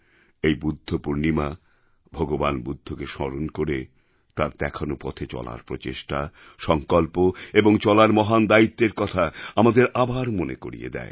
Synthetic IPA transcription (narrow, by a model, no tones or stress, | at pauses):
ejbud̪ʱːopuɾnima | bʱɔɡobanbud̪ʱːokeʃɔɾonkoɾe | t̪aɾd̪ɛkʰanopɔ̰t̪ʰet͡ɕɔ̰la̰ɾpɾot͡ɕeʃʈa | ʃɔŋkɔlpoeboŋt͡ɕɔlaɾmɔɦand̪ait̪ːeɾkɔt̪ʰaamad̪eɾabaɾmoneko̰ɾḭḛd̪ɛ̰e